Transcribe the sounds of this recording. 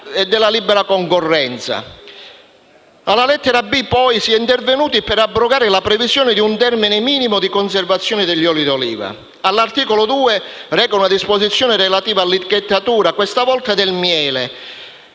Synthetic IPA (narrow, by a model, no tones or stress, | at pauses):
ɛd̪ːɛlːalibːɛɾakɔŋkorːɛnt̪sa̰ | alːalɛt̪ːɛɾabipɔjsiɛint̪ervenuːt̪ipɛɾabːɾoɡaːɾɪlapɾɛvizjɔːnɪd̪iunt̪ɛrminɪmiːnimʊd̪ikons̬ervat̪sːjɔːnɪd̪ɛʎːɔːlid̪olḭːva̰ | alːart̪iːkɔlod̪uːerɛːkaunad̪ispozit̪sːjɔːnɪɾelat̪iːvaːlːit̪iket̪ːat̪uːɾakwest̪avɔlt̪ad̪ɛlmjɛːle